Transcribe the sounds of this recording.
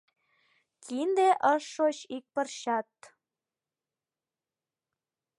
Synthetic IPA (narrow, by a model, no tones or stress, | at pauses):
kʰind̪eʔəʃːot͡ɕik̚pə̆rɕɑt̪